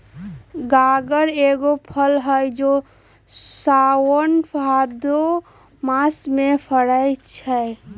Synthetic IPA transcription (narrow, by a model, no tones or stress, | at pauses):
ɡaɡəɾeɡopʰəlɦəjd͡ʒo | sawənpʰad̪o | masmepʰəɽəjt͡ʃʰə